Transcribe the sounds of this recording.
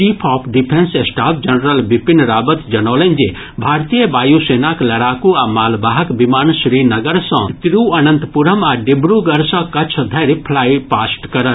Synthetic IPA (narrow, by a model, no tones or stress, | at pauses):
ʈiːpʰɔːpʰɖipʰensesʈaːpʰd͡ʒɐnɾəlbipinɾaːbət̪d͡ʒɐnɔːlənd͡ʒe | bʱaːɾt̪ijəbaːjuseːnaklɐɾaːkuaːmaːlbaːɦɐkbimaːnʃɾiːnɐɡəɾsɔ̃t̪ɾuɐnə̃nt̪puɾəmaːɖibɾuɡɐɾsɔ̃kɐt͡ʃʰd̪ʱɐɾipʰlaːipaːsʈkɐɾəɾ